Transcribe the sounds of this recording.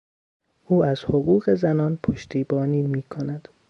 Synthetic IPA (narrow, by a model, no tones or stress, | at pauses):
ʔuːæz̥hoɣuːɣe̞zænɒːnpʰoʃt̪ʰiːbɒːniːmiːkʰonæd̪̥